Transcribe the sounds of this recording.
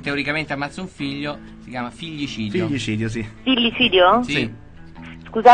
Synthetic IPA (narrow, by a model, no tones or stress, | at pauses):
t̪eoɾikament̪eamːat̪sːuɱfiʎːo | sikjaːmafiʎːit͡ʃiːd̪fioʎːit͡ʃiːd̪jos̬ifiʎːit͡ʃiːd̪josi | skuza